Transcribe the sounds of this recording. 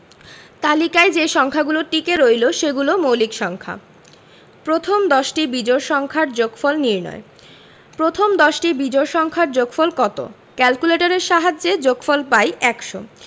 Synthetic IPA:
t̪alikaed͡ʑeʃɔŋkʰaɡuloʈːikeɾojloʃeɡulomowlikʃɔŋkʰa̰ | pɾot̪ʰomd̪ɔʃʈibid͡ʑoɾʃɔŋkʰaɾd͡ʑoɡfɔlniɾnɔ̰e | pɾot̪ʰomd̪ɔʃʈibid͡ʑoɾʃɔŋkʰaɾd͡ʑoɡfɔlkɔt̪o̰ | kɛlkuleʈaɾeɾʃaɦad͡ʑːed͡ʑoɡfɔlpajʔɛkʃo̰

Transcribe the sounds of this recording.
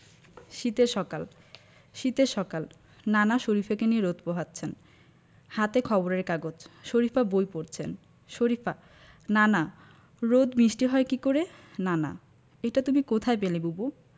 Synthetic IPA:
ʃit̪eɾʃɔkal | ʃit̪eɾʃɔkal | nanaʃoɾifʰakenieɾod̪̚poɦat̪ːɕʰen | hat̪ekʰɔboɾeɾkaɡod͡ʑʃoɾifabojpoɾt͡ɕʰen | ʃoɾifa | nana | ɾod̪biʃʈiɦɔekikoɾenana̰ | ejʈat̪umikot̪ʰaepelebubu

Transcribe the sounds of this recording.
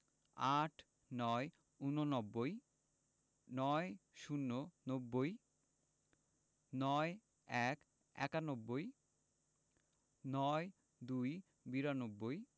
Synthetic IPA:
aʈʰ | nɔe | unonɔbːoj | nɔjʃunːonobːoj | nɔe | ɛk | ɛ̰kanobːoj | nɔe | d̪uj | biɾanobːoj

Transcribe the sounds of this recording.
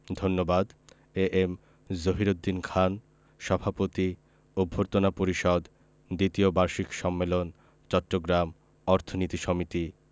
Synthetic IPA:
d̪ʱonːobad̪ | eʔem | zoɦiɾod̪ːinkʰan | ʃɔbʱapot̪i | ubʱːoɾt̪onapoɾiʃɔd̪ | d̪it̪iobaɾʃikʃɔmːelon | t͡ɕɔʈːoɡɾam | ɔɾt̪ʰonit̪iʃɔmit̪i

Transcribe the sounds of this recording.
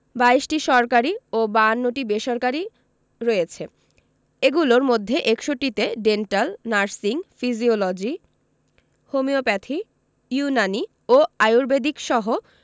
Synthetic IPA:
baiʃʈiʃɔɾkaɾiobanːoʈibeʃoɾkaɾi | ɾojet͡ɕʰe | eɡuloɾmod̪ʱːeʔekʃoʈːit̪eɖenʈalnaɾsiŋfiziolod͡ʑi | homiopɛt̪ʰi | junani | oajuɾbed̪ʱikʃɔɦo

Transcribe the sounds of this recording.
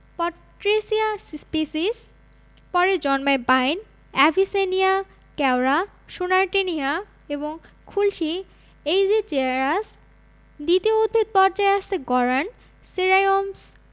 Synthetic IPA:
pɔʈɾesiasspisis | pɔɾed͡ʑɔnmaebajn | ɛbʱisenia | kɛwɾa | ʃonaɾʈenia | eboŋ | kʰulʃi | ejd͡ʑet͡ɕeaɾas | d̪it̪ioud̪̚ʱbʱid̪̚pɔɾd͡ʑaeaʃt̪eɡɔɾan | siɾajoms

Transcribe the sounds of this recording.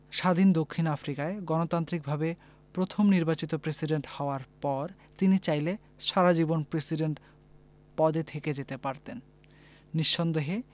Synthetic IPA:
ʃad̪ʱind̪okʰːinafɾikaeɡɔnot̪ant̪ɾik̚bʱabe | pɾot̪ʰomniɾbat͡ɕit̪opɾesiɖeɳʈhaoaɾpɔɾ | t̪init͡ɕajle | ʃaɾad͡ʑibonpɾesiɖeɳʈ | pɔd̪et̪ʰeked͡ʑet̪epaɾt̪enː | iʃːond̪eɦe

